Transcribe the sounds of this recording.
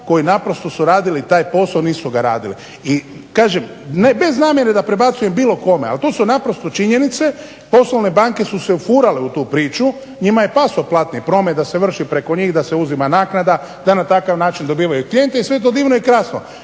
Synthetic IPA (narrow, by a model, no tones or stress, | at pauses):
ko̞jinapɾo̞st̪o̞suɾaːd̪ilit̪aːjpo̞soniːsuɡaɾa̰ːd̪ili | ikaːʒem | nebe̞znaːmjeɾed̪apɾe̞bat̪suje̞mbiːlo̞ko̞mea̰lt̪oːsunapɾo̞st̪o̞t͡ʃiɲe̞nit̪se̞ | po̞slˠoʋne̞baŋke̞suseufuːɾaleut̪uːpɾiːt͡ʃu | ɲimaje̞pasoplˠat̪nipɾo̞met̪d̪aseʋr̩ʃipɾe̞ko̞ɲiːxd̪aseuzimanaːknad̪a | d̪anat̪akaʋnaːt͡ʃind̪o̞biːʋajuklije̞nt̪eisʋe̞t̪o̞d̪iːʋnojekɾaːsno̰